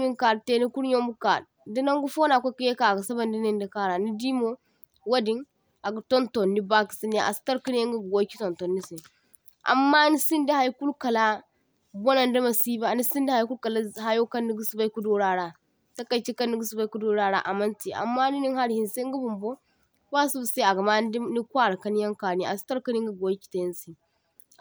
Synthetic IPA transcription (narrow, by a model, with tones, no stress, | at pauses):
mi˦ŋka˨ɾte˦ni˦ku˦ɾɲo˦mu˦ka̰˨ɾ | di˦na˦ŋɡu˦fo˦na˨kʷa˦ki˦je˦ka˨ɡa˨sa˦ba˨ndi˦ni˨nda˨ka˦ɾa˨ni˦di˦mo˦ | wa˦di˦n | a˨ɡu˨to˦nto˨nːi˦ba˦ki̥˨si˦n˦a˨a˨si̥˦ta˦ɾki˦n˦e˦ɡu˦ɡɡo˦ki̥˦to˨nto˨nːi˦si˨ | ʔa̰˨mːa˦ni˦si˦ndi˦ha˨jku˦lka˨la˦ | bo˦na˨ndɐ˦ma˨si˦ba˨ni˦si˦n˦di˦ha˨jku˦lka˨la˦ɦa˦jo˦ka˦nːi˦ɡu˦su˨ba˦i˦ku˦do˦ɾa˨ɾa˨ | ta˦ka˨t͡ʃi˦ka˦nːi˦ɡi˦su˨ba˦ku˦do˦ɾa˨ɾa˦ʔa˨ma˦nti˨ʔa̰˨mːa˦ni˦ni˦ŋha˦ɾhi˨nse˦ŋɡa˦bu˨mbo˦ | ba˦su˦bu˨se˦a˨ɡa˨ma˦ni˦kʷa˦˨ɾa˨ka˦nja˦ŋka˨ni˨˦a˨si̥˦ta˦ɾki˦ni˦ŋ˦ɡa˦ɡo˨i˦ki̥˨ta˨ji˦nsi˨